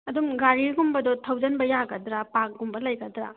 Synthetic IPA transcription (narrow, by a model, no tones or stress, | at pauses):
ɐdumɡaɾiɡumbɐdɔtʰɐwd͡ʒɐnbɐjaɡɐdɾapak̚ɡumbɐlɐjɡɐdɾa̰